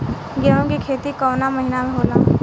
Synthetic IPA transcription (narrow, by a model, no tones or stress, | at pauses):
ɡɛõkikʰeːt̪ikɔːnaməɦɪnamẽɦoːlaː